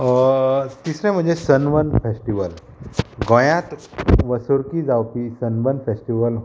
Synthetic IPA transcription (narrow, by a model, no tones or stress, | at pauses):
t̪isɾɛ̃m̤əɳd͡zesənʋənfesʈiʋəl | ɡə̃jãt̪ | ʋəsoɾkid͡zawpisənʋənfesʈiʋəl